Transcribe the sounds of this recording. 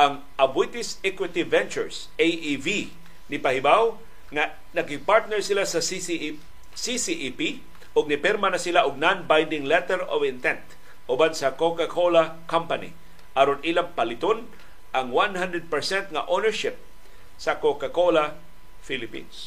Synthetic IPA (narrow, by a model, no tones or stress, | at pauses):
ʔɐŋ | ʔɐbwit̪ɪsɛkwɪt̪ivɛnt͡ʃʊɹs | ʔejivi | nɪpɐhɪbaw | ŋa | nɐɡɪpaɹt̪̚nɛɹsɪlasɐ | sisiʔipi | ʔoɡ̚nɪpɛɾmanɐsɪlaʔʊɡ̚nanbajnd̪ɪŋlɛt̪ɛɾo̰vɪnt̪ɛnt̪ | ʔʊbansɐkokakʰola | kampanḭ | ʔaɾonilaŋpɐlɪt̪on | ʔɐŋwanhand̪ɾɛd̪̚pɛɹsɛnt̪̚ŋɐʔonɛɹʃɪp̚ | sɐkokakola | filɪpḭns